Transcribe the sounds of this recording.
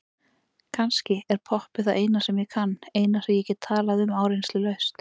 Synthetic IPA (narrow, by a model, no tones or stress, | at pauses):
kʰanscɪɛɾ̥pʰɔhpɪθaʔeːjnasɛmjɛkʰanːeːjnasajɛcɪt̪ʰaːlaðʏmaːwɾejnslɪlœɥst̪